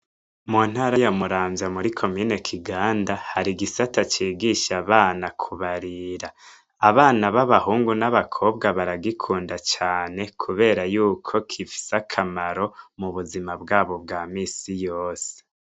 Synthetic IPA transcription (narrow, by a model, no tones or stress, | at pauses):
mun̥haɾajomuɾaːmzamuɾikʰo̞mine̞kʰiɡaːndahaɾiɡisatat͡ʃiːɡiʃaβaːnakʰuβaɾiɾaː | βaːnaβaβahuːŋɡunaβakʰo̞bɡaβaɾaɡikʰuːndat͡ʃaːne̞kʰuβe̞ːɾajuːkʰo̞kʰifi̥sakʰamaɾo̞muβuzimabɡaːβo̞b̚ɡaːmiːsijoːse̥